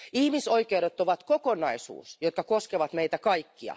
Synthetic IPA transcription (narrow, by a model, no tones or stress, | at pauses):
ihmisoikewdet̪ːoʋɑt̪kokonɑisṵːsjot̪̚kɑkoskeʋɑt̪meit̪ækɑikːiɑ̰